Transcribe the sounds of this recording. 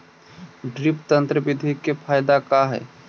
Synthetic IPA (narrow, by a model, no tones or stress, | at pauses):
ɖɾɪpt̪ənt̪ɾəʋɪd̪ʱikepʰaːjd̪akaɦɛ̰ː